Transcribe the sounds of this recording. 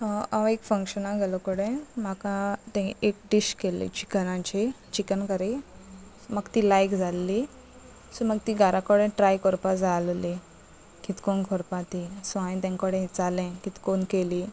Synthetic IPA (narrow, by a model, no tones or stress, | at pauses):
aʋekfəŋkɕənaɡʱelokəɽẽmakãt̪ẽek̚ɖiɕkelḭ̃t͡ɕi̥kənãt͡ɕe | t͡ɕikənkəɾe | məɡt̪iːlajkd͡zalːi | suməɡ̚t̪iːɡʱaɾʔakəɽẽʈɾajkɔɾpad͡zalli | kit̪konkʰoɾpãt̪isʋãĩt̪ẽŋkəɽẽt͡salẽkit̪konkeliː